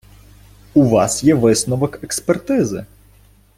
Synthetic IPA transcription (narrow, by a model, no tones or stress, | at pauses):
uʋɑsjɛʋɪsnɔʋɔkekspert̪ɪzɪ̰